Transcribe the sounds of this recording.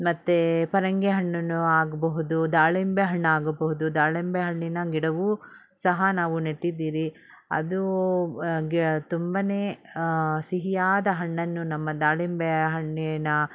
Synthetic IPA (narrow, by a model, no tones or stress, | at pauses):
mɐt̪ːepɐɾɐŋɡeɦɐɳːɐnːuaːɡɐbɐɦud̪ud̪aːɭimbeɦɐɳːaːɡɐbɐɦud̪ud̪aːɭembeɦɐɳːinɐɡiɽɐʋuː | sɐɦɐnaːʋunɐʈːid̪ːiːɾi | ɐ̰d̪u | ɡt̪umbɐneː | siɦijaːd̪ɐɦɐɳːɐnːunɐmːɐd̪aːɭimbeɦɐɳːinɐ